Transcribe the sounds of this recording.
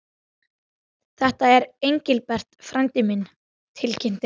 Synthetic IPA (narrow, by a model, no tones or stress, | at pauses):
θɛht̪aɛɾejɲcɪlpɛr̥t̪fɾant̪ɪmɪn | t̪ʰɪlcʰɪn̥t̪ɪ